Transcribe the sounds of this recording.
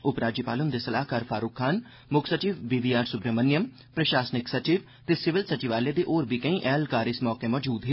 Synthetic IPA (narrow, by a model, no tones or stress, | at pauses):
ʊpɾaːd͡ʒjəpaːlʊnd̪esɐlaːɦkaːɾfʰaːɾukʰːaːn | mʊksɐt͡ʃiːʋbiːʋiːaːɾsʊbɾəmɐnjəm | pɾɐʃaːsnɪksɐt͡ʃiːʋ | t̪esɪʋɪlsɐt͡ʃiʋaːled̪eʔoːɾbʱikɐ̃ĩʔɛːlkaːɾɪsmɔːkemɔːd͡ʒuːd̪ɦɪ